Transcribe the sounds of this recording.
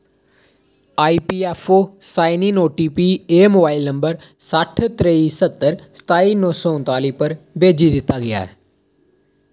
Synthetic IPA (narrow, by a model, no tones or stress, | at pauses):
aːiːpiːɛːpʰoːsaːɪniːnoːʈiːpiːeːmoːbaːɪlnəmbəɾ | səʈʰt̪ɾeiːsət̪ːəɾsə̥t̪aːiːnɔːsɔːʊ̃nt̪aːliːpəɾbeːd͡ʒiːd̪ɪt̪ːaːɡɪja̰ːɛ̰ː